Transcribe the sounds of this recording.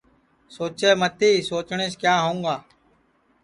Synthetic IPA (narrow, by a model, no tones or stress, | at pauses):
soːt͡ʃeːmət̪ʰiːsoːt͡ʃɳeːskjaːɦũːɡaː